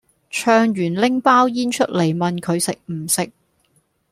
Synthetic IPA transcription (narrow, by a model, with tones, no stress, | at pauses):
t͡ʃʰœː˧ŋjyː˨˩nlɪ˥ŋpaː˥wjiː˥nt͡ʃʰɵ˥t̚le˨˩jmɐ˨nkʰɵ˨˧ɥsɪ˨k̚m̩˨˩sɪ˨k̚